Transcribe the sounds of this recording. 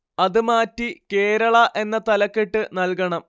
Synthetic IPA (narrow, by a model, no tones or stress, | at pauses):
ɐðɨmaːtːike̞ːɾɐɭɐʔe̞nːɐt̪ɐlɐkːiʈːɨnɐlkɐɳɐm